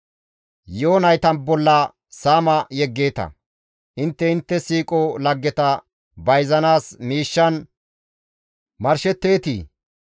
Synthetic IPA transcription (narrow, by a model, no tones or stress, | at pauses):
joːnɐjt̪ɐnbɔlːɐ | saːmɐjɛɡːe̞ːt̪ɐ̰ | ʔɪnt̪ːɛɪnt̪ːɛsiːkʼɔlɐɡːɛt̪ɐ | bɐjzɐnaːsmiːʃːɐn | mɐɾʃɛt̪ːe̞ːt̪ḭː